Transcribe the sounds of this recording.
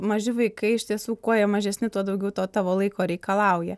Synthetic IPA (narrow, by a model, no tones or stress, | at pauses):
mɐʒʲɪʋɐɪkɐɪɪʃʲt̪ʲiɛsuːkoːiɛmɐʒʲɛsʲnʲɪt̪uɔd̪ɐʊɡʲɛʊt̪oːt̪ɑːʋoːlˠɐɪkoːɾʲɛɪkɐlˠɐʊjɛ